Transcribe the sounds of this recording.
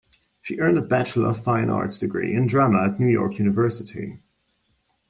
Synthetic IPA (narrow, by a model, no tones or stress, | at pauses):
ʃiʔɜ̃˞ndəbæt͡ʃl̩ˠə̰ʌv̥fãɪ̃nɑ̰ɹtsd̥ɨɡɹḭɨ̃ndɹaməətⁿnʉjɔ̰ɹkjʉnɨvɜ˞sɨɾḭ